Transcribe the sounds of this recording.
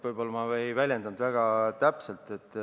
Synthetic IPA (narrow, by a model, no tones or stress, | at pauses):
vɯjbo̞lːɑmɑejvælʲjend̪ɑnd̪væɡ̥ɑt̪æpse̞lt̪ˑe̞t̪ːˑ